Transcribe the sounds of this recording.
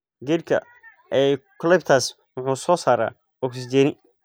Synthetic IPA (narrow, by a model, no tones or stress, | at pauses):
ɡɛlkʰɐ̰ | ɛːkʰʊlɛb̚t̪ʰaːs | wʊħuːsɔːsaːɾa̰ː | ɔksd͡ʒɛːnɪ